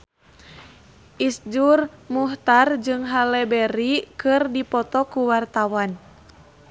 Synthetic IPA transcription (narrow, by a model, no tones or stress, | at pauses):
ʔisd͡ʒurmuht̪ard͡ʒɨŋɦalɛbɛɾikɨrdipɔt̪ɔkuwart̪awan